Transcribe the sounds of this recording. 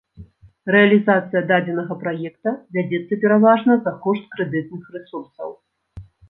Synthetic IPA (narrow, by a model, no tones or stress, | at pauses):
rɛɐlʲizat̪sɨjɐd̪ad͡zʲɛnɐɣɐpɾajɛkt̪ɐvʲad͡zʲɛt̪sːɐpʲɛɾavaʐnɐzɐkɔʂt̪kɾɛd̪ɨt̪̚nɨxrɨsursɐ̰w